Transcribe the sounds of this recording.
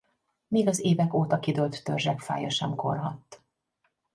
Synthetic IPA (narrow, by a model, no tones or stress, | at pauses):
meːɡɒzeːvɛkoːt̪ɒkid̪ølt̪ːørʒɛkfa̰ːjɒʃɛmko̞̰rɦɒt̪ː